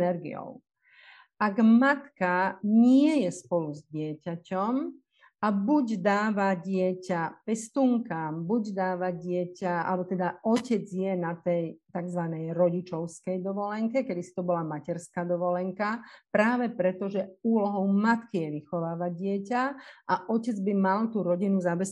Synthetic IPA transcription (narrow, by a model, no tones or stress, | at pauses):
nɛɾɡḭɔ̰ʊ | ʔaɡmat̪kaɲɪɛjɛspɔluzɟɪɛcacɔm | abuɟd̪aːʋaɟɪɛcapɛst̪uŋkaːmbuɟd̪aːʋaɟɪɛcaa̰lɛbɔt̪ɛd̪aʔɔcɛd͡zjɛnat̪ɛjt̪aɡzʋanɛjɾɔɟit͡ʃɔʊskɛjd̪ɔʋɔlɛŋkɛkɛd̪isi̥t̪ɔbɔlamacɛɾskaːd̪ɔʋɔlɛŋkapɾaːʋɛpɾɛt̪ɔʒɛuːlɔɦɔʊmat̪kijɛʋixɔʋaːʋaɪɛcaʔaʔɔcɛd͡zbimalt̪uɾɔɟinuzabɛs